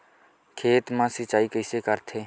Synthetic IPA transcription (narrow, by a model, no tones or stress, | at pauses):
kʰeːt̪mãsɪt͡ʃaːikəɪsekəɾt̪ʰeː